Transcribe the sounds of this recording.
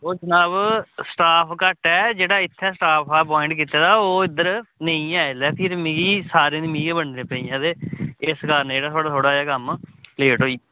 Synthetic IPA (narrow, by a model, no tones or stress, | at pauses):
oːd͡ʒənaːbsʈaːpʰkəʈɛːd͡ʒeːɽaːɪt̪ʰːɛːsʈaːpʰaːpɔːɪ̃ɳʈkiːt̪eːd̪aːoːɪd̪əɾnə̃ĩːaːelɛːpʰɪɾmɪ̃ɡiːsaːɾẽːnɪmĩːɡebəɳnẽːpəĩːãːd̪eːɪskaːɾneːɽaːt̪ʰoːɽaːt̪ʰoːɽaːaːkəmleːʈɦoːiː